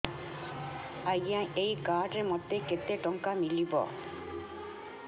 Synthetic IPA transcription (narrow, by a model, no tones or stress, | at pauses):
ɐjãʔejkaːɖɾemɔt̪ːeket̪ːeʈɔŋkamilibɔ̰